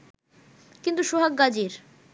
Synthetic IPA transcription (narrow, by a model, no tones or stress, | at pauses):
kint̪uʃoɦak̚ɡad͡ʑiɾ